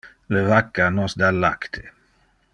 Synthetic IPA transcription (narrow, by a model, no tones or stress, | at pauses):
levakːanɔsd̪alːa̰kt̪ʰe̥